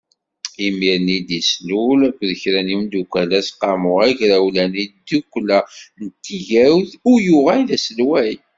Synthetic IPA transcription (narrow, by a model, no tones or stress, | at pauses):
imiɾnid̪islulkʷðəçɾænimd̪ukʷælæsqːɑmʊæçɾæwlænid̪ukʷːlænt̪ːiʝæwθʊjuʁæjðæsəlwæj